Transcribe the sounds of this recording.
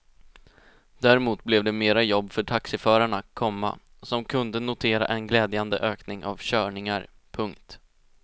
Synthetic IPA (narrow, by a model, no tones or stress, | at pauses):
d̪̥æɾɛmuːt̪̚blɛvd̪ɛmeːɾajɔbːfœʈʰaksɪfœːɾaɳakkʰːɔmːa̰ | sɔmkʰɵnd̪ənʊt̪ʰeːɾa̰ʔɛnɡlɛːd̪jand̪ə̰ʔøːknɪŋʔa̰vɕœːɳɪŋaɾ | pʰɵŋkt̪